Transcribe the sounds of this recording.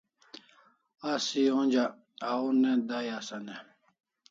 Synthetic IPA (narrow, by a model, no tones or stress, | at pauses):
asiõnd͡ʑa | auned̪ajasane